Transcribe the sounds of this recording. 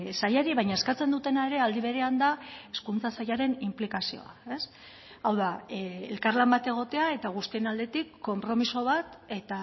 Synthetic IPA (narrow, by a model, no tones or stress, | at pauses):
sajaɾiβaɲaeskat͡se̞nd̪ut̪e̞nae̞ɾe̞ald̪iβ̞e̞ɾe̞and̪ae̞skunt͡sasajaɾe̞nimplikasio̞̰a̰e̞s | awðaelkaɾlambat̪e̞ɣ̞o̞t̪e̞ae̞t̪aɣ̞ust̪ie̞nald̪e̞t̪ikːo̞mpɾo̞miso̞β̞at̪e̞t̪a